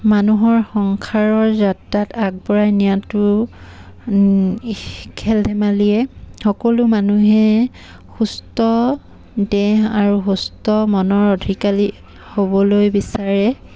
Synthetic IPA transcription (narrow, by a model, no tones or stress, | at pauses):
manuɦɔɹxɔŋkʰaɹɔɹzatːatak̚pɔɹajnijatu | kʰɛldʱɛmaliɛxɔkɔlumanuɦɛ | xustɔ | dɛɦaɹuxustɔmɔnɔɹodʱikali | hobɔlojbisaɹɛ